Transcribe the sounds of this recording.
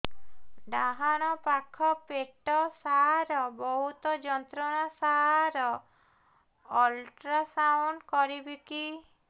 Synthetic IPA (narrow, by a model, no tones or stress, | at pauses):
ɖaɦaɽ̃ɔpakʰɔpeʈɔsaɾɔbɔɦut̪ɔd͡ʒɔnt̪ɾɔñasaɾɔ | lʈɾasawɳɖkɔɾibiki